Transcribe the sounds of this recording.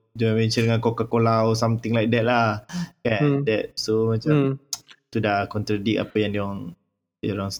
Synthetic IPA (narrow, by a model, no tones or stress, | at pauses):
d͡ʒuãmɛ̃nt͡ʃəndəŋãnkokakolawsamt̪iŋlajk̚dɛt̪̚lahkadɛt̚somat͡ʃamt̪udakɔnt̪ɾadik̚a̰pajãŋdiɔŋ | doɾɔŋs